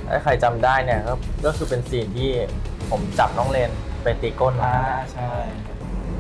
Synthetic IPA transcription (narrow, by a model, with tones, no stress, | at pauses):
ʔa̰˥˩kʰa˧jt͡ɕa˧mdaː˥˩jni˥˩ɐkɔː˥˩kɔː˥˩kʰɯː˧pe˧nsiː˨˩nt̪ʰiː˥˩pʰo˩˦mt͡ɕa˨˩p̚nɔː˦˥ŋleː˧npa˧jt̪iː˧ko˥˩nla˧˩˧t͡ɕʰa˥˩j